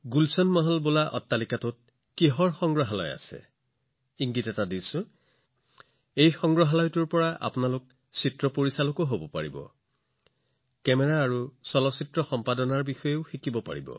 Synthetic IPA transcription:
ɡulsɔnmɔɦɔlbolaʔɔtːalikatʊt̚ | kiɦɔɹxɔŋɡɹɔɦalɔ̰ja̰sɛ̰ | iŋɡitɔtadisʊ̃ | ejxɔŋɡɹɔɦalɔjtuɹpɔɹaʔa̰pʊnalʊk̚ | sitɹɔpoɹisalokoɦobɔpaɹibɔ̰ | kɛmɛɹaːɹusɔlɔsitɹɔxɔmpadɔnaɹbixɔjeʊxikibɔpa̰ɹḭbɔ̰

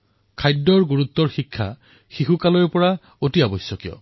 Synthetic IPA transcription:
kʰajdːɔɹɡuɹut̪ːɔɹxikʰːa̰ | xixukalɔɹpɔɹa | otiabɔjsjɔkijɔ̰

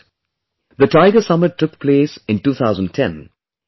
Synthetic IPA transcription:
d̪əʈaɪɡəsʌmɪʈʰːʊkpʰleːsɪ̃nʈuːt̪ʰaʊzə̃n̚tʰɛ̃n

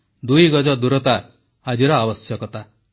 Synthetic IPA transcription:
d̪ujɡɔd͡ʒɔd̪uɾɔt̪aː | d͡ʒiɾɔabɔsjɔkɔt̪a

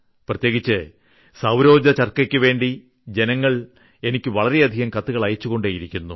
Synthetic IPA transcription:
prɐt̪je̞ːɣit͡ɕːɨ | sɐwɾo̞ːd͡ʑɐt͡ɕɐrkɐkʲːɨʋe̞ːɳɖi | d͡ʑe̞nɐŋːɐɭ | e̞nikʲːɨʋɐɭɐɾe̞ɐd̪ʱiɣɐmkɐt̪ːuɣɐɭɐjɐt͡ɕːuɣo̞ɳɖaːjiɾikʲːunːu

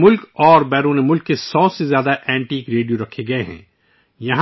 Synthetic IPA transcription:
mʊlkɔːɾbɛːɾuːnemʊlkːesɔːsezjaːd̪aʔɛ̃ːɳʈiːkɾeːɖijoɾɐkʰːeɡɐeɦɛ̰̃ː | jɐɦã

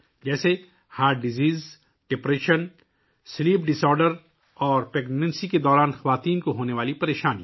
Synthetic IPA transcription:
d͡ʒɛːse | haːʈ̚ɖɪziːz | ɖ̥ɪpɾeːʃən | sliːpɖɪsɔːɾɖəɾ | ɔːɾpɛːɡnɛ̃nsiked̪ɔːɾaːnxɐʋaːt̪iːnkoɦoːneʋaːlipɐɾeːʃaːni

